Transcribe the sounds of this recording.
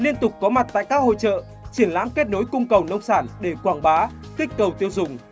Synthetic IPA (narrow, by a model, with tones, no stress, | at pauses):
li˧ənt̪ʊ˨˩k͡p̚kːɔ˨˦ma˨˩t̚t̪a̰ː˧˨jkaː˦˥k̚ho̰˧˨t͡ɕə̰ː˧˨ | t͡ɕi˨˧˩ənla̰ː˧˥mke˦˥t̚no˨˦jkʊ˧ŋ͡mkə˨˩wnə˧wŋ͡msaː˧˩nɗe˧˩kwaː˧˩ŋɓaː˨˦ | kï˦˥k̟̚kə˨˩wt̪i˧əwzʊ˨˩ŋ͡m